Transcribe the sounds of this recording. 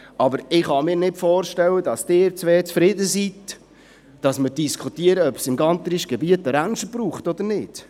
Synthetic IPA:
ʔɑbəɾɪχhɑmɪːɾnɪtfɔːɾʃtɛwədɑsd̥ɪːɾt͡sʋeːt͡sfɾɪdəsit | d̥ɑsməɾdiskχutiəɾəœpsɪmɡɑnt̪əɾiʃɡ̥ɛbiətəɾænʃəb̥ɾuːχtɔd̪əɾnɪd̥

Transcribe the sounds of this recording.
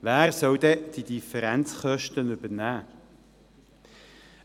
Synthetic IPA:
væːɾsœwd̪ɛd̪̥id̥̪ifɛɾɛnt͡sχœʃtənʏbənæː

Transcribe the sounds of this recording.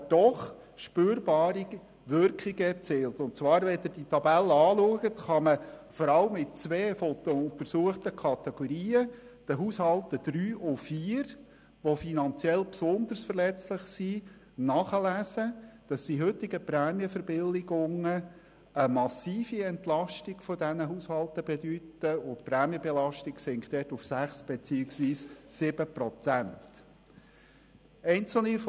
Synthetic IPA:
d̥ɔχ | ʃpøːɾbɑːɾi | ʋʏɾkχɪɡəɛt͡sɪːltʊnt̚t͡svɑːɾʋɛt̪əd̥itʰɑbɛlːəɑːluəɡətχɑməfɔɾɑləmːɪt̚t͡sveːfɔt̪ɔʊnt̪əɾsuəχtəkʰɑt̪ɛɡ̥ɔɾiːə | d̥əɦuːshɑltəd̥ɾyːʔʊfiːɾ | ʋofinɑnt͡sjɛlpsʊnd̪ərsfərlɛt͡slɪχsi | nɑːχəlæːsəd̪̥ɑsːiɦɵtːɪɡəpɾæːmjəfəɾb̥ɪlːɪɡʊŋə | əmɑsiːfiɛnt̪lɑʃtiɡ̥fɔdɛnəɦuːshɑlt̪əbedytəʊtpɾæːmjəbelɑʃtɪksɪŋktd̥ɛːtufsæχsb̥et͡siːɪksʋiːssɪb̥əpɾɔt͡sænt | ɛɪnt͡sl̩if

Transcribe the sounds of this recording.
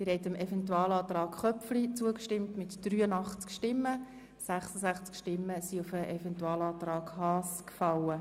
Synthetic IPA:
ɪɾhɛɪtəmɛfɛntuɑːlɑːt̪ɾɑːkχœflit͡suəkʃtɪmtmɪtd̥ryːənɑχt͡skʃtɪmːə | sæχsəsæχt͡skʃtɪmːəsiʊfəʔɛfɛntuɑːlɑːt̪rɑːkhɑːskfɑlə

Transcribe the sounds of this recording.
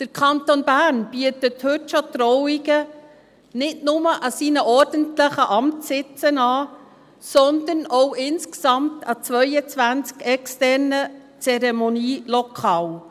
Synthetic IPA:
d̥əɾkʰɑntonbæːɾnb̥yətəthɵtːʃot̪ɾɔwiɡə | nɪtnʊməʔɑsiːnəʔɔɾd̥əntləχəʔɑmtsɪt͡sənɑː | sɔnd̪ənɔwɪnsksɑmtʰɑt͡sʋœʏət͡sʋænt͡skɛkstɛɾnə | t͡sɛɾɛmoniːlɔkʰɑːl

